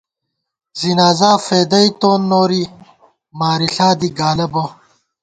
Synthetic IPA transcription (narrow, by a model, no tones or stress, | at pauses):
zinaːzaːfeːd̪ɐit̪oːnːoːɾi | maːɾiɬaːd̪iɡaːlɐbo